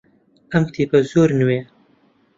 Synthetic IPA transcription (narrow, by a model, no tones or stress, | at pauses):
ɐmt̪ʰiːpɐzoːɾnɨweː